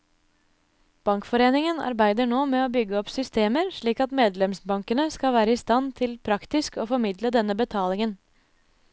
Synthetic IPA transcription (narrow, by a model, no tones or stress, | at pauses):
b̥ɑŋkfɔɾeːnɪŋənɑ̰ɾbæɪd̪əɳoːmɛoːbʏɡːəɔpsʏst̪eːməɾʂɭiːkɑt̪meːd̪lɛmsbɑŋkənəskɑʋæːɾəɪst̪ɑnt̪ʰɪlpʰɾɑkt̪ɪskoːfɔɾmɪd̪ləd̪ɛnːəbət̪ʰɑːlɪŋən